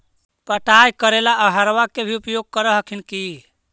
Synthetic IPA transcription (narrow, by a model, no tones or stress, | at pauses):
pəʈajkəɾelaəɦəɾʋakebʱiupjoɡ̚kəɾəɦəkʰinki